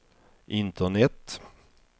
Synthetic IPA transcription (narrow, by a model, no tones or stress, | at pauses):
ʔɪnt̪ʰəɳɛt̪ː